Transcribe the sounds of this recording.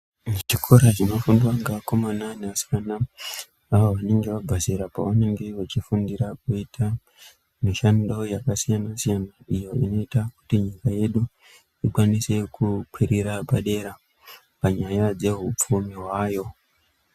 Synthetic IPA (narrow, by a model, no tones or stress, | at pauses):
t͡ʃikʰo̞ɾat͡ʃinofundwaŋɡaako̞mananeasi̥kana | aʋoʋane̞ŋɡeʋabʱaziɾapaʋane̞ŋɡe̞ʋat͡ʃifundiɾakuitʰa | miʃando̞jakasijanasijanaijo̞ino̞itaku̥tiɲikaje̞ɗu | ikwanise̞kukwiɾiɾabaɗe̞ɾa | paɲajad͡ze̞ɦup͡fumiɦwaːjo̞